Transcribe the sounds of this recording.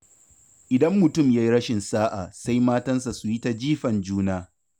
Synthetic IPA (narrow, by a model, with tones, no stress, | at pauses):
ʔɪ˨dɐ˦mːʊ˨tʊ˦˨mja˦ji˦ɾɐ˦ʃɪ˨nsaː˦ʔa˨sa˦jmaː˦tɐ˦ns̬a˨su˨ji˦ta˦d͡ʒiː˦ɸɐ˨nd͡ʒuː˦naː˦